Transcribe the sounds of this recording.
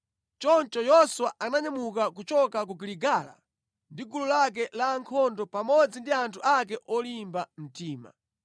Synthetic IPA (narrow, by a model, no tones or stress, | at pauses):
t͡ʃɔnt͡ʃɔjɔswaanaɲamukakut͡ʃɔkak̬uɡiliɡala̰ | ndiɡululak̬ɛlaŋkʰɔndɔpamɔd͡zindiantʰuʔak̬ɛʔɔlimbam̩tiːma̰